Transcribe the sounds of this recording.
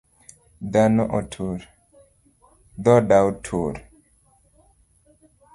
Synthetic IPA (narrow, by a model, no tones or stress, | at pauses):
d̪anɔʔɔtʰuɾ | d̪ɔdawtʰuɾ